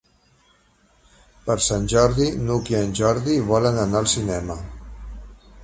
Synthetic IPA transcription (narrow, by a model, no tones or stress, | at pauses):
pəɾsanʲʒɔɾðinukiənʲʒɔɾðiβ̞ɔlənənaəlˠsinɛmə